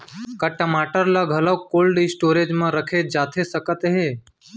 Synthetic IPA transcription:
kəʈəmaːʈəɾlaɡʱələkoːlɖisʈoːɾed͡ʒmãːɾəkʰed͡ʒaːt̪ʰesəkət̪ɦeː

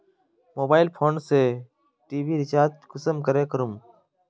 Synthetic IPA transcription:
moːbaːɪlpʰoːnseː | ʈiːʋiːɾɪt͡ʃaːɾt̪̚kəsəmkəɾeːkəɾum

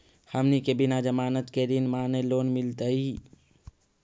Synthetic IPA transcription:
həmnikebinad͡ʒəmaːnət̪ked̪inmaːneloːnmɪlt̪əi

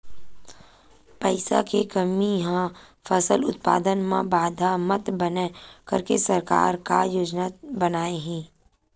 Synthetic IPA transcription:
pəɪsa̰kekəmiɦãfəsəlʊt̪̚pa̰ːd̪ənmãbaːd̪ʱamət̪bənekəɾkesəɾka̰ːɾka̰joːd͡ʒnaːt̪bənaːeɦɛ̃ː

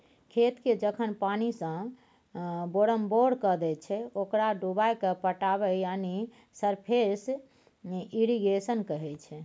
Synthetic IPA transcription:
kʰet̪ked͡ʒəkʰənpanisə̃ | boɾəmboɽkəd̪ɛt͡ʃʰɛokɾaɖubajkepəʈabɛjani | səɾpʰes | iɾiɡesənkəɦɛt͡ʃʰɛ

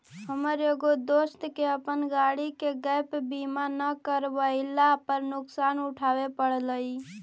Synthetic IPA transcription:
ɦəməɾeɡod̪ost̪keəpənɡaɽikeɡəjpbimanəkəɾbəɪlapəɾnuksanuʈʰawepəɽləi

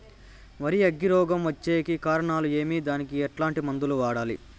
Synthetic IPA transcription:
mɐɾiɐɡːiɾɔːɡɐmʋɐt͡ʃːeːkikaːɾɐɳaːlue̞ːmid̪aːnikiɛʈlaːɳʈimɐnd̪uluʋaːɽaːlḭ

